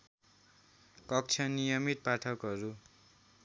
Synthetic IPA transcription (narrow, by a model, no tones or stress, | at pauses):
kʌk̚t͡sʰʌnijʌmit̪̚paʈʰʌkɦʌɾu